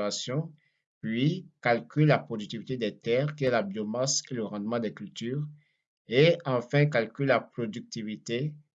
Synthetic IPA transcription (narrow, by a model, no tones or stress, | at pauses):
asjɔ̃ | pɥikalkʲyllapχod̪yk̚t̪ivit̪ed̪ɛt̪ɛʁkiɛlabjomaseləʁɑ̃d̪mɑ̃d̪ɛkylt̪yːʁ | eɑ̃fɛ̃k̬alkʲyllapχod̪yk̚t̪ivit̪e